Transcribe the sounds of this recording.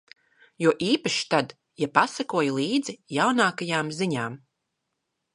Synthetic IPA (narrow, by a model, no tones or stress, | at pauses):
juɔʔiːpaʃi̥t̪ad̪ | japasakuɔjulˠiːd̪zijawnaːkajaːmziɲaːm